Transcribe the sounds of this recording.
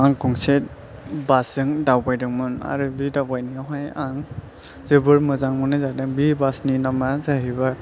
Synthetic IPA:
aŋkɔŋset̚ | basɯŋdawbajdɯŋmɯna̰ɾɯbidawbajniaɦajaŋ | zɯbɯɾmɯzaŋmɯnɯzadɯŋbibasninamazaɦiba

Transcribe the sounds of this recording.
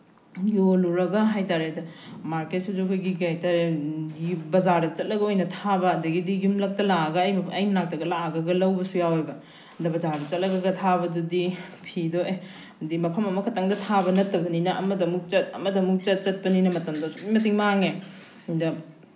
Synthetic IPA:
joluɾɐɡɐɦajtaɾedɐmaɾket̚sid͡ʒoɡɐɡiɡajtaɾe | bɐzaɾdɐt͡ʃɐt̚lɐɡɐojnɐtʰabɐːdɐɡidijumlɐk̚tɐlaɐɡɐːjmɐjmnak̚tɐɡɐlaɡɐɡɐlɐwbɐsujawebɐ | dɐbɐzaɾdɐt͡ʃɐt̚lɐɡɐɡɐtʰabɐdudipʰidoe | dimɐpʰɐmɐmɐkʰɐtaŋdɐtʰabɐnɐtːɐbɐninɐʔɐmɐdɐmuk̚t͡ʃɐt̚ɐ̰mɐdɐmuk̚t͡ʃɐt̚t͡ʃɐt̚pɐninɐmɐtɐmdosu̥pijmɐt̬iŋmaŋe | dɐ

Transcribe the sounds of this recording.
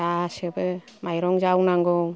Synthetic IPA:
asebɯ | majɾɔŋzawnaŋɡɔ

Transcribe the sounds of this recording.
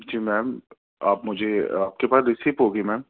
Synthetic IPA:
d͡ʒiːmɛːm | aːpmʊd͡ʒʱeaːp̚kepaːsɾɪsiːpɦoːɡimɛːm

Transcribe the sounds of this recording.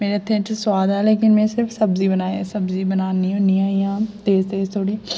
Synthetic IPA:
meːɾet̪ʰːẽt͡ʃswaːd̪ɛːleːkɪnmɛ̃ːsɪɾpʰsəbziːbənaːsəbziːbənaːniːɦõːniaːjãːt̪eːzt̪eːzt̪ʰoːɽiː

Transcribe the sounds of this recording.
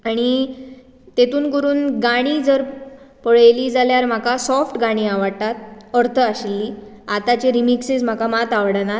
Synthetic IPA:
aɽ̃i | t̪et̪uːnkəɾuːnɡaɽ̃iːd͡zəɾ | pəɭəjliːd͡zaljaɾm̤akasɔfʈɡaɽ̃iːaʋəɽt̪at̪̚əɾt̪ʰəaɕilːiː | at̪at͡ɕeɾimiksed͡zm̤akamat̪aʋɽna

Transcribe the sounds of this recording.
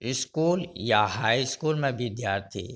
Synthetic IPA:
ɪskuːljaɦaːiskuːlmẽʋʱɪd̪jaːɾt̪ʰḭː

